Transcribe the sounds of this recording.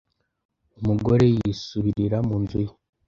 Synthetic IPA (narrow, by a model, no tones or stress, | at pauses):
umuɡo̞ɾe̞jisuβiɾiɾamuːnzuje